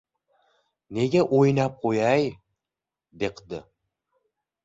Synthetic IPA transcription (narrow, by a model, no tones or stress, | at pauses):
neɡʲeʔojnɑp̚qʰojɑj | d̪eqd̪ɪ̰